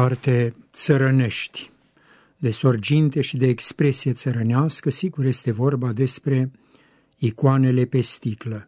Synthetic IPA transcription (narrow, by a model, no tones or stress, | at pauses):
art̪e̞t̪səɾəne̞ʃt̪ʲ | d̪e̞so̞rd͡ʒint̪e̞ʃid̪e̞ːkspɾe̞sije̞t̪səɾəneaskəsiɡurje̞st̪e̞vo̞rbad̪e̞spɾe̞ | ikoane̞le̞pe̞st̪iklə